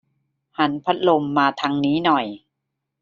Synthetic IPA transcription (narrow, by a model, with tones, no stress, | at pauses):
ha˩˦npʰa˦˥t̪̚lo˧mːaː˧t̪ʰa˧ŋniː˦˥nɔ˨˩j